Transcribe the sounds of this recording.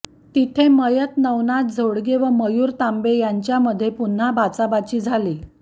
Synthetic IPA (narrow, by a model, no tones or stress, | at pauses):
t̪it̪ʰeməjət̪nəwnat̪̚d͡zʱoɽɡeʋəməjuːɾt̪ambejaɲt͡ɕjaməd̪ʱjepun̤abʱat͡sabat͡ɕiːd͡zʱali